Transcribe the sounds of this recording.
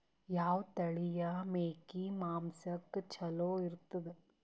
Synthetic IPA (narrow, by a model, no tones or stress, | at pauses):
jaːʋt̪ɐɭijɐmeːkimaːmsɐkt͡ʃʰɐloːiɾt̪ːɐd̪e